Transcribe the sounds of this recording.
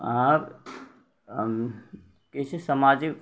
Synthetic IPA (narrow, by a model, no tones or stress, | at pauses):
aɾ | kesesəmaːd͡ʒɪk